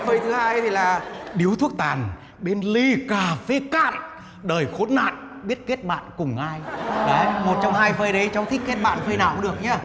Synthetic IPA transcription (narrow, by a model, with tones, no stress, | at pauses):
vəː˧jt̪ʰɨ˨˦haː˧jt̪ʰi˨˩laː˨˩ɗi˨˦əwt̪ʰu˦˥ək̚t̪aː˨˩n | ɓe˧nli˧kaː˨˩fe˨˧˦ka̰ː˧˨n | ɗəː˨˩jxo˨˦nːa̰ː˧˨n | ɓi˦˥ət̚ke˦˥t̚ɓa̰ː˧˨nkʊ˨˩ŋ͡mʔaː˧jɗə˨˦mo˨˩t̚t͡ɕɔ˧wŋ͡mɦaː˧jvəː˧jɗə˨˦jt͡ɕɔ˧wŋ͡mt̪ʰi˦˥k̟̚kːe˦˥t̚ɓa̰ː˧˨nvəː˧jnaː˧˩wɗɨ˨˩ək̚ɲa˧